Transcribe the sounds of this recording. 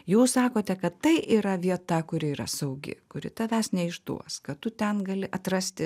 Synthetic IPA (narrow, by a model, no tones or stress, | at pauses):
juːssɑːkoːt̪ʲɛkɐtt̪ɐɪʔiːɾɐʋʲiɛt̪ɐkʊɾʲɪiːɾɐ̰sɐʊɡʲɪ̰kʊɾʲɪ̰t̪ɐʋʲæsnʲɛɪʒd̪ṵɔskɐtt̪ʊt̪ʲɛnɡɐlʲɪʔɐt̪ɾɐsʲt̪ʲɪ